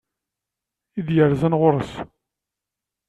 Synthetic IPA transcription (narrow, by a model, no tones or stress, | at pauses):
id̪jəɾzænʁʊɾˤəs